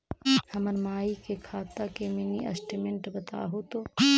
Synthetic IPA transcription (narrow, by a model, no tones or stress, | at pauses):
hɐməɾmaːikekʰaːt̪akemɪniʔɐ̰sʈɪmɪ̃ɳʈbɐt̪a̰ːɦut̪o